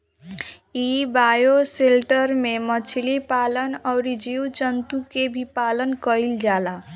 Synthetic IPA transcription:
ibajoselʈəɾmemət͡ʃʰilipalənɔwɾid͡ʒiut͡ʃənt̪ukebʱipalənkəild͡ʒala

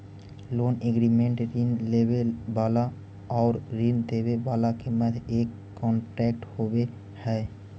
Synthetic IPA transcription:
loneɡɾimeɳʈɾinlebebala | ɔɾɾind̪ebebalakemɛt̪ʰekːɔɳʈɾɛk̚ʈhobe | hɛe

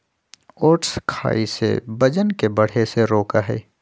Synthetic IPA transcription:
oːʈskʰa̰ːisḛbɐd͡ʒənkebɐɽ̤eseɾoːkaɦɛ̰ː

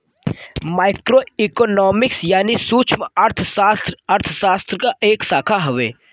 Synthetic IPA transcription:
maːɪkɾoikɔnɔːmɪksjaːnisuːt͡ʃʰməɾt̪ʰəsaːst̪ɾɐɾt̪ʰəsaːst̪ɾəkaʔeːksaːkʰaɦɐʋeː

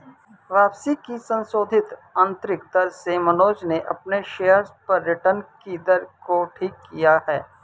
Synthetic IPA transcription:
ʋaːpsikisə̃nsoːd̪ʱɪt̪ə̃nt̪ɾɪkd̪ɐɾsemɐnoːd͡ʒneʔɐ̰pneʃeːəɾspɐɾjəʈənkid̪əɾkoʈʰiːkːijahɛː

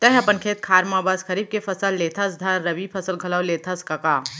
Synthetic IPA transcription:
t̪ɐɦɐpənkʰeːt̪̚kʰaːɾmãːbaskʰɐɾiːb̚kepʰɐsəlːeːt̪ʰəs̬d̪ʱãɾɐbipʰɐsəlɡʱɐləwleːt̪ʰɐskɐkaː

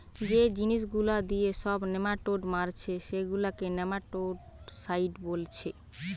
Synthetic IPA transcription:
d͡ʑed͡ʑiniʃ̬ɡulad̪ieʃɔbnemaʈoɖmaɾt͡ɕʰeʃeɡulakenɛmaʈoɖ | sajɖbolt͡ɕʰe

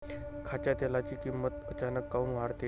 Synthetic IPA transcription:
kʰat͡ɕat̪elat͡ɕiːkimːət̪ət͡ɕanəkːawmʋaɾt̪e

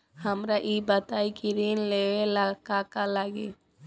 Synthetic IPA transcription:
həmɾaʔibət̪aikiɾinleelakakalaɡḛ

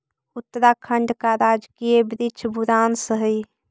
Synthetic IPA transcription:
ut̪ːəɾakʰəɳɖkaɾad͡ʒkijebɾit͡ʃʰbʱuɾansəɦəj

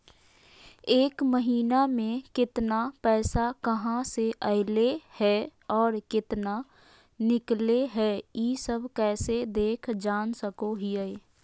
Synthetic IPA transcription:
eːkməɦiːnamẽkɪt̪napɛːsakəɦãseʔəɪlehɛɔːɾkɪt̪na | nɪkleɦɛjisəbʱkɛːsed̪eːkʰd͡ʒaːnsəkoɦiɛ

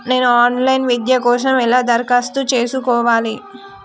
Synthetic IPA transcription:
ne̞ːnuaːnlɐjnʋid̪jɐkɔːʂ̬ɐmɛlaːd̪ɐɾkaːst̪ut͡ʃe̞ːsukɔːʋaːli

